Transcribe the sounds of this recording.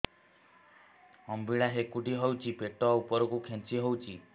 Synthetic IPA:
ɔmbiɭaɦekuʈiɦɔwt͡ʃʰipeʈɔupɔɾɔkukʰẽnt͡ʃiɦowt͡ʃʰi

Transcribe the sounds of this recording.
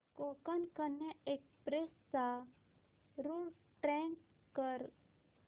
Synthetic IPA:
kokankənaekspɾest͡sa | ɾuɽ | ʈɛ̃ŋk | kəɾ

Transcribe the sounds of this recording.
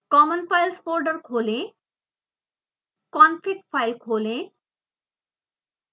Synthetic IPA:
kɔmənfajlsoɾɖəɾkʰolẽ | kɔnfik̚ʈfajlkʰolẽ

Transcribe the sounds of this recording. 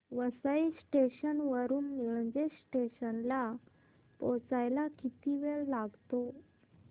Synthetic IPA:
ʋəsaisʈeɕənʋəɾuːnːiɭəd͡ʑesʈeɕənla | pɔt͡sajlakit̪iʋeɭlaɡt̪o

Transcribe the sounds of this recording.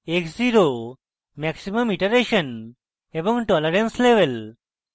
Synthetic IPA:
ekziɾo | mɛksiməmiʈəɾeʃən | ebɔ̃ŋʈɔləɾensleʋel

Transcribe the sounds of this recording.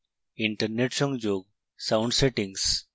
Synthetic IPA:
iɳʈəɾneʈsɔ̃ŋɡd͡ʒoːɡ̚ | saʊɳɖseʈĩŋɡs

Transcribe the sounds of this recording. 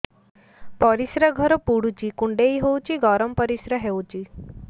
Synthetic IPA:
pɔɾisɾaɡʱɔɾɔpuɽut͡ʃikuɳɖeiɦewt͡ʃiɡɔɾɔmpɔɾisɾaɦewt͡ʃi

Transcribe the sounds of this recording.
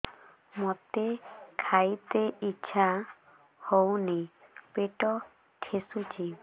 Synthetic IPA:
mɔt̪ekʰajt̪eiːʃʰa | hownipeʈɔ | ʈʰesut͡ʃʰi

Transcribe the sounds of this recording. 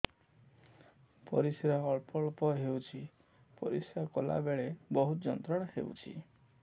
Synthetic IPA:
pɔ̰ɾisɔɾɔɔɭpɔɭpɔɦewt͡ʃʰi | pɔ̰ɾisɔkola̰beɭebɔɦut̪ɔd͡ʒɔnt̪ɾɔɽ̃ɔhḛṵt͡ʃʰḭ

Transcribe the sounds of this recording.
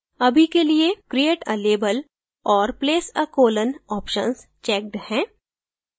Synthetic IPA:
ɐbʱikeliekɾieːʈɐleːbəl | ɔːɾpleːsəkoːlənɔːpʃə̰nst͡ʃɛːk̚ɖhɛ̃ː

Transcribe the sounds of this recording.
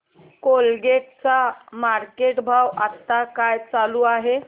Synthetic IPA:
kolɡeʈ̚t͡samaɾkeʈbʱawat̪ːakajt͡saluːaɦe

